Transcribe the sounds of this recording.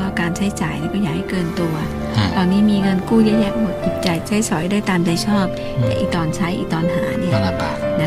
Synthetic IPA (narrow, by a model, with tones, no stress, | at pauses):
aː˥˩kaː˧nt͡ɕʰa˦˥jt͡ɕaː˨˩jniː˥˩kɔː˥˩jaː˨˩ha˥˩jkɤː˧nt̪u˧ɐ | t̪ɔː˧nːiː˦˥miː˧ŋɤ˧nkuː˥˩ja˦˥ʔjɛ˦˥ʔmo˨˩t̪̚ʔu˨˩t̪̚t͡ɕa˧jt͡ɕʰa˦˥jsɔ˨˩˦jdaː˥˩t̪aː˧mt͡ɕa˧˩jt͡ɕʰɔː˥˩p̚ | laɛ̰ː˨˩ʔḭː˨˩k̚t̪ɔː˧nt͡ɕʰa˦˥jʔḭː˨˩k̚t̪ɔː˧nɦa̰ː˩˦ni˥˩na˦˥